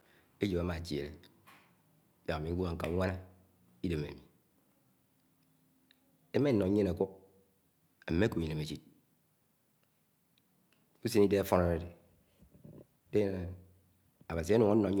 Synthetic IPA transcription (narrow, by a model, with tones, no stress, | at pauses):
e˦d͡ʒi˨ba˦ma˨ti˨ḛ˨le˨˦ | da˨a˨mi˨˦ɡʷu˦a˨ŋ̩˦ka̰˨˦ŋʷa˦na˦ | i˦de˨mḛ˨mi˨ | e˦me˦n̩˦nɔ˨˦ɲe˦na˨ku˦k̚ | e˨me˦ko˨i˨ne˨me˨t͡ʃi˦t̚ | u˦se˦ni˦de˦a˦fɔ˦na˨ɾe˨de˨ | de˦e˦ne˨ | a˨ba˨s̬i˨˦a˦nu˨ŋa˦ɔ˨˦